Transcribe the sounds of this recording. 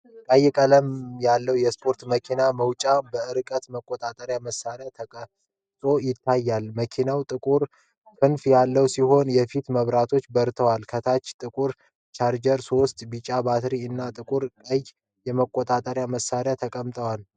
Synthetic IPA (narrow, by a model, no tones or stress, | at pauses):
kʼəjːɛkʼələmjalːəwjɛspʰo̞ɾt̪məkʰinaməwt͡ʃʼabəɨɾkʼət̪məkʼːot̪ʼat̪ʼəɾjaməsːaɾjaə | t̪ʼo̞jɪt̪ʰːajːalməkʰinawt̪ʼɨkʼuɾ | kʰɨnfjalːəwsiho̞njɛfit̪məβɾat̪ʰo̞t͡ʃːbəɾt̪ʰəwalkʰət̪ʰat͡ʃːt̪ʼɨkʼuɾ | t͡ʃaɾd͡ʒəɾso̞st̪ʼbit͡ʃʼabat̪ɾiɨnːat̪ʼɨkʼuɾkʼəj | jɛməkʼːot̪ʼat̪ʼəɾjaməsːaɾjat̪ʰəkʼəmt̪ʼəwal